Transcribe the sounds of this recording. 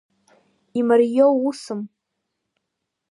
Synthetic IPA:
imarjowusɨm

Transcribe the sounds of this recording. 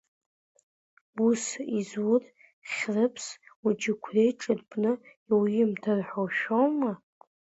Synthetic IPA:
usizur | χʲrɨpʰsud͡ʒɪkʷʰrejʈ͡ʂʼɨrpʰʼnɨ | iwɪmtʰarħowʃᶣowma

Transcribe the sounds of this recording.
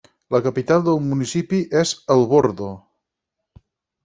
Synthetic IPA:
ləkəpit̪alˠd̪əlˠmunisipiʔɛzəlˠβoɾðo

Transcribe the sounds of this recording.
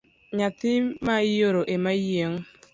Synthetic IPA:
ɲat̪ɪmajoɾoʔemaieŋ̩

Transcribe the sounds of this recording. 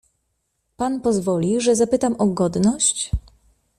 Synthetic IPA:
panpɔzvɔlʲiʐɛzapɘt̪amʔɔɡɔd̪nɔɕt͡ɕ

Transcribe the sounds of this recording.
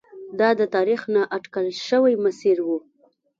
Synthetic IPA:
d̪ɑd̪ət̪ɑɾixnaʔaʈkəlʃəwajmasiɾwu

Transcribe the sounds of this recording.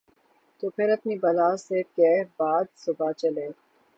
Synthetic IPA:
t̪oːpʰɪɾɐpnibɐlaːsekɛbaːd̪sʊbat͡ʃɐleː

